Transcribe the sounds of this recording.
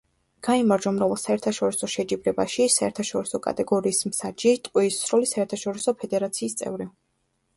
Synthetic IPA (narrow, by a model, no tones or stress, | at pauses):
ɡ̥aimaɾd͡ʒɔmɾɛɛlˠsaɛɾt̪ʰaʃɔɾisɔʃɛd͡ʒibɾɛbaʃisaɛ̰ɾt̪ʰaʃɔɾisɔkʼa̰t̪ʼɛɡɔɾiːsmsad͡ʒit̪ʼqʼwiisːɾɔlisaɛɾt̪ʰaʃɔɾisɔpʰɛd̪ɛɾat̪sʰiːst̪sʼɛ̰vɾi